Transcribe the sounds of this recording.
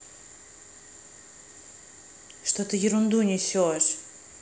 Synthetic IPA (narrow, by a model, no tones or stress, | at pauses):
ʂt̪ot̪ɨjɪɾʊnd̪unʲɪsʲoʂ